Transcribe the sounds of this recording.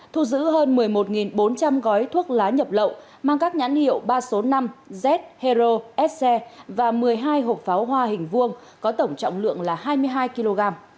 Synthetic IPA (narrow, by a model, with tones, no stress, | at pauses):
t̪ʰu˧zɨ̰˧˥ɦəː˧nmɨ˨˩əjmo˨˩t̚ŋi˨˩nɓo˨˦nt͡ɕa˧mɣɔ˨˦jt̪ʰwu˦˥ək̚laː˨˦ɲə˨˩p̚lə̰˧˨wʔ | maː˧ŋkaː˦˥k̚ɲa˧˥nhḭ˧˨əwɓaː˧so˨˦na˧mzɛ˦˥t̚he˧zo˧ʔɛ˦˥t̚sɛ˧vaː˨˩mɨ˨˩əjɦaː˧jɦo˨˩p̚faː˨˦wɦwaː˧hï˨˩ŋ̟vɨ˧əŋ | kɔ˨˦t̪ə˧˩wŋ͡mt͡ɕɔ̰˧˨wŋ͡mlɨ̰˧˨əŋlaː˨˩haː˧jmɨ˧əjɦaː˧jki˧lo˧ɣaː˧m